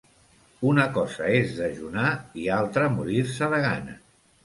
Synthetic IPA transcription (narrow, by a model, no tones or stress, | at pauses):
unəkɔzə̰ezðəʒunaialˠt̪ɾəmuɾiɾsəðəɣa̰nə̰